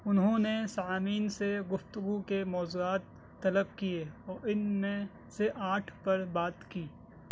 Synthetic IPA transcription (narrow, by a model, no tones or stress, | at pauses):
ʊnɦõnesaːaːmiːnseɡʊft̪ʊɡukemɔːzuaːt̪ː | ɐləb̚kijeɔːɾɪnmẽ | seʔaːʈʰpɐɾbaːt̪kiː